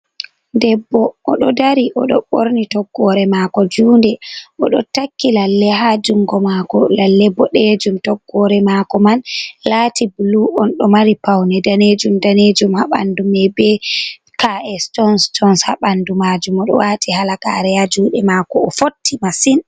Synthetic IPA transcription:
dɛbːɔʔːɗɔdaɾiʔɔɗɔɓoɾnitɔɡːɔɾɛmakɔd͡ʒuːndɛʔɔɗɔtakːilalːɛɦad͡ʒuŋɡɔmakɔlalːɛbːɔɗed͡ʒumtɔɡːɔɾɛmakɔmanlatibuluɔnɗɔmaɾipawnɛdaned͡ʒumdaned͡ʒumhaɓa̰ndumɛbɛ | kaɛstɔnstʰɔnshaɓandumad͡ʒumɔɗɔ̰watihalaka̰ɾɛjad͡ʒuːɗɛmakɔɔfotʰːimasin

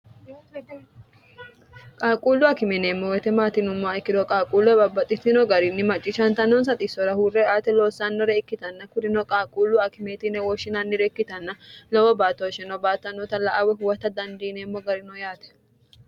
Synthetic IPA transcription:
kʼaːkʼuːlːʊɐkɪmɛneːmːɔwɛt̪ɛmaːt̪ɪnʊmːaɪkːɪd̪ɔkʼaːkʼuːlːɔɛbɐbɐt̪ʼːɪt̪ːɪnɔɡɐɾɪnːɪmɐt͡ʃʼːɪʃɐnt̪ɐnːɔnsɐt̪ʼɪsɔɾɐhuːrːɛaːt̪ɛloːsːanːɔɾɛːkːɪt̪ɐnːɐkʊd̪ɪnɔkʼaːkʼuːlːʊɐkɪmeːt̪ɪnɛwɔʃɪnɐnːɪɾɛkːɪt̪ɐnːɐlɔwɔbaːt̪ːoʃɛnɔbaːt̪ːɐnːɔt̪ɐlɐʔawɛɦʊwɐt̪ːɐd̪ɐnd̪iːneːmːɔɡɐɾɪnɔjaːt̪ɛ̥

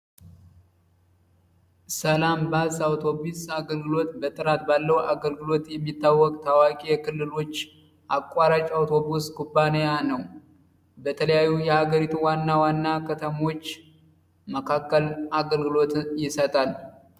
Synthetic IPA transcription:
səlambasawt̪ʰo̞bisaɡəlɡɨlo̞t̪bət̪ʼɨɾat̪̚balːəwaɡəlɡɨlo̞t̪jɛmːit̪ːawːɔkʼt̪ʰawakʼijkʰɨlːɨlo̞t͡ʃː | ʔakʼːaɾat͡ʃʼawt̪ʰo̞buskubːanejanəw | bət̪ʰələjajːujɛhaɡəɾit̪ʰuwanːawanːakʰət̪ʰəmo̞t͡ʃː | məkʰakːəlʔaɡəlɡɨlo̞t̪jɪsət̪ʼal

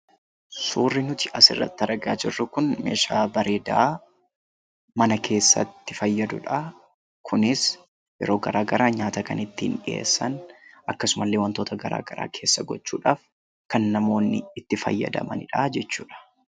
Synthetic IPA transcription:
suːrːɪnʊt̪ɪ̥ɐsɪrːɐ̰t̪ːɐɾɐɡaːd͡ʒɪrːʊkʊnme̞̰ːʃaːbɐɾeːd̪ɐ | mɐnɐkʰe̞ːsːɐ̰t̪ːɪ̥fɐjːɐd̪ʊᶑɐ | kʰʊnɪs | jɛ̰ɾo̞ːɡɐɾaːɡɐɾʔaːɲaːt̪ɐkɐnɪt̪ːɪhɪnᶑɪḛːsːɐnɐkːɐsʊmɐlːeːwɐnt̪oːt̪ɐɡɐɾa̰ːɡɐɾa̰ːkʰe̞ːsːɐɡɔt͡ʃːṵːᶑaːf | kɐnːɐmo̞ːnːɪːt̪ːɪfɐ̰jːɐ̰d̪ɐ̰mɐnɪᶑaːd͡ʒɛt͡ʃːuːᶑɐ̥

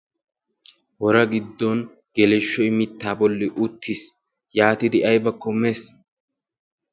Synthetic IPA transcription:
wɔɾɐɡɪd̪ːɔn | ɡ̥ɛlɛʃːɔɪmɪt̪ːaːbɔlːɪʔʊt̪ːis | jaːt̪ɪd̪ɪʔɐjbɐkːɔmeːs

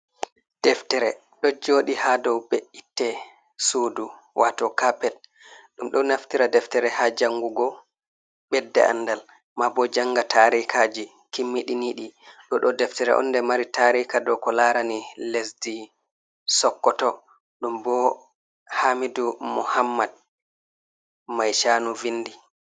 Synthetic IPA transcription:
d̥ɛftɛɾɛ | ɗɔd͡ʒoːɗihadɔwbɛʔitːɛ | sudu | wʔatɔkapɛt̚ | ɗumɗɔnaftiɾadɛftɛɾɛhad͡ʒaŋɡuɡɔ | ɓbɛdːɛ̰a̰ndal | mabɔd͡ʒaŋɡatʰaɾikad͡ʒi | kimːiɗiniɗiɗɔɗɔdɛftɛɾɛ̰ʔɔ̰nːdɛmaɾitaɾikadɔkɔlaɾanilesdi | sɔkːɔtɔ | ɗumbɔ | hamidumṵhamːad̚ | majʃaːnuvinːdi

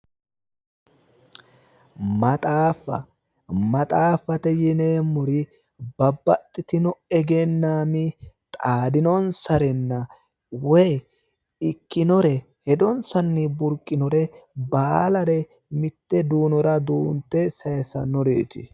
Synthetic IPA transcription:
mɐt̪ʼaːfːɐ̰ | mɐt̪ʼaːfɐt̪ɛjɪneːmːʊɾɪ | bɐbːɐt̪ʼːɪt̪ɪnɔɛɡɛnːaːmɪt̪ʼaːd̪ɪnɔnsɐɾɛnːɐ | wɔj | ɪkːɪnɔɾɛ | hɛd̪ɔnsɐnːɪbʊɾkʼːɪnɔɾɛbaːlɐɾɛ | mɪt̪ːɛd̪uːnɔɾɐd̪uːnt̪ːɛsɐjsɐ̰nɔɾḛːt̪ɪ̰

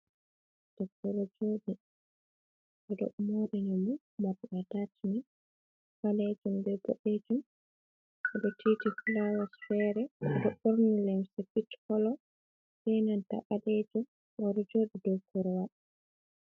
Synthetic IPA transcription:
d̥ɔkːɔɾɔd͡ʒoːɗi | ʔɛɗɔ̰ʔmoɾiɲumu | maɗɔʔatatʰini | baled͡ʒumbɛɡɔ̰ɗed͡ʒum | ɛɗɔtʰitifulawasfɛɾɛdɔɓoɾnilemsɛpitkɔlɔ | sɛnanta̰ɓalɛd͡ʒum | ɓɔɾɔd͡ʒoːɗidɔkːɔɾɔwaɗ

